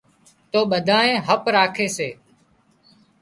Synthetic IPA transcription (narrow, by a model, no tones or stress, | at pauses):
t̪oːɓəd̪ʱaːẽːɦəpɾaːkʰeːseː